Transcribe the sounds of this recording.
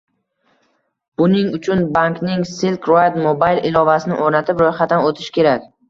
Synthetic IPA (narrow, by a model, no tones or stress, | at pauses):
b̥ʊnɪŋʊt͡ʃʰʊnbaŋknɪŋsɪlkɾoad̪mobajlˠɪlˠɒvasɪnɪ̰ʔoɾnat̪ʰɪpɾojχat̪ːanot̪ʰɪʃkʲe̞ɾakʲ